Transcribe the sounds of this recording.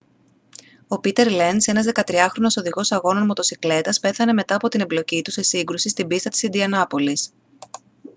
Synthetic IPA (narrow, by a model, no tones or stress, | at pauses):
o̞pit̪e̞ɾle̞nse̞nɐzðe̞kɐt̪ɾiɐxɾo̞no̞so̞ðiɣo̞sɐɣo̞no̞nmo̞t̪o̞sikle̞t̪ɐspe̞θɐne̞me̞t̪ɐːpo̞t̪ine̞mblo̞cit̪use̞siŋɡɾusist̪imbist̪ɐt̪i̥sind̪iɐnɐpo̞lis